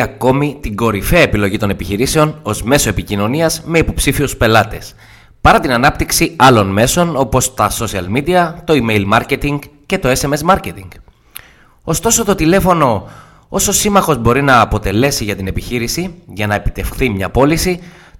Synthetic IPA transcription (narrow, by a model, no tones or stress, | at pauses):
ɐko̞mit̪iŋɡo̞ɾifeɐepilo̞ʝit̪o̞ne̞piçiɾise̞o̞no̞zme̞so̞epicino̞niɐzme̞ipo̞psifiuspe̞lɐt̪e̞s | pɐɾɐt̪inɐnɐpt̪iksiɐlo̞nme̞so̞no̞po̞st̪ɐso̞siɐlmid̪iɐt̪o̞ime̞jlmɐɾce̞t̪iŋɡce̞t̪o̞e̞se̞me̞smɐɾce̞t̪iŋɡ | o̞st̪o̞so̞t̪o̞t̪ile̞fo̞no̞ | oso̞simɐxo̞zbo̞ɾinɐːpo̞t̪e̞le̞siʝɐt̪ine̞piçiɾisiʝɐnɐe̞pi̥t̪e̞fθimɲɐpo̞lisi